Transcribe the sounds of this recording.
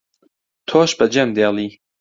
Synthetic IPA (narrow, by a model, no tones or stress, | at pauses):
t̪ʰoːʃbɐd͡ʒɐmd̪eːlˠiː